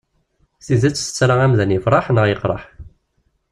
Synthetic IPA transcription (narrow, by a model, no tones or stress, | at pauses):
θizæt͡sːθt͡sːɾˤaæmðænjəfɾˤɑħnəʁjəqːɾˤɑ̰ħ